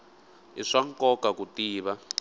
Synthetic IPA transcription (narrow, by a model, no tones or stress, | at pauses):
ḭʂaŋkɔkakutiːβa